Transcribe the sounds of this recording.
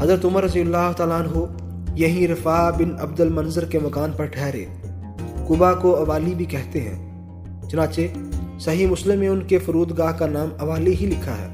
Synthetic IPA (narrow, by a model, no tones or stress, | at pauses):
ɦɐzɾət̪ʊməɾːɐzijɐlːaːɦʊt̪aːlaːnɦo | jɐɦĩɾɪfaːbɪnɐbd̪əlmɐnzəɾkemɐkaːnpɐɾʈʰɛːɾḛː | kʊbakoɐʋaːlibʱikɛɦt̪eɦɛ̰̃ː | t͡ʃʊnãːt͡ʃesɐɦimʊslɪmːẽʊnkefʊɾuːd̪ɡaːɦkanaːmɐʋaːliɦilɪkʰaɦɛ̰ː